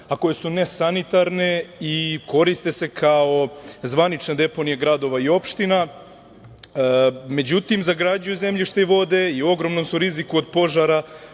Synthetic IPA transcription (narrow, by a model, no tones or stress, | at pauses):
ako̞je̞sune̞sanit̪aɾne̞iko̞ɾist̪e̞sekʰao̞zʋanit͡ʃned̪e̞po̞nijeɡɾad̪o̞ʋaio̞pʃt̪ina | me̞d͡ʑut̪imzaɡɾad͡ʑujuze̞mʎiʃt̪eiʋo̞d̪e̞io̞ɡɾo̞mno̞msuɾizikuod̪po̞ʒaɾa